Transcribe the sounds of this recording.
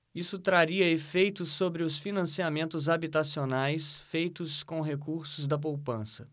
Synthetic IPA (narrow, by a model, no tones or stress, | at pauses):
isʊt̪ɾaɾiɐefejt̪ʊsobɾɪʊsfinɐ̃siamẽnt̪ʊzabit̪asionajsfejt̪ʊskõw̃ɦekuɾsʊzd̪ɐp̬owpɐ̃sɐ